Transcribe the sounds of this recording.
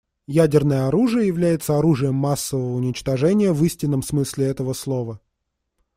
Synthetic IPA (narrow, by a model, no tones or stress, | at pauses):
jædʲɪrnəjəɐɾuʐɨjəjɪvlʲæjɪt̪səɐɾuʐɨjəmːasːəvəvəʊnʲɪt͡ɕt̪ɐʐɛnʲɪjəvɨsʲtʲɪnːəmsmɨsʲlʲɪɛt̪əvəslˠovə